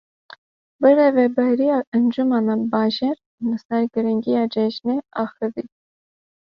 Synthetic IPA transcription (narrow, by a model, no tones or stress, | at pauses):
bəɾɛvɛbɑjɾiɑənd͡ʒumɑnɑbɑʒɛɾ | nəsnɑɾɡəɾəŋɡiɑd͡ʒɛt͡ʃnɛɑχəði